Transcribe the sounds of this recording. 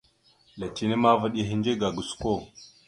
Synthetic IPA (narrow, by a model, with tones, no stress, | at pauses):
la˨t͡ʃi˦ni˦ma˦və˦ɗi˦ɦi˦nd͡ʒe˦ɡa˨ɡu˨sko˦˨